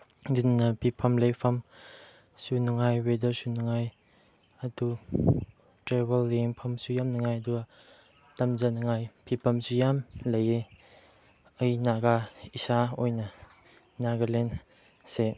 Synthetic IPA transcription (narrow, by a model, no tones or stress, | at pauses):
dunnɐpʰipʰɐmlejpʰɐm | sunuŋajwedəsunuŋaj | ɐdu | tɾebɐlːeŋpʰɐmsujamnɐŋajɐduɡa | tɐmzanɐŋajpʰipʰɐmsujamlɐje | ɐjnaɡaisaojnɐ | naɡalen | se